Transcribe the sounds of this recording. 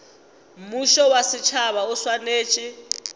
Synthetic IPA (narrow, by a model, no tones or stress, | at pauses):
m̩muʃɔwasit͡ʃʰaβauswaneːt͡ʃʼi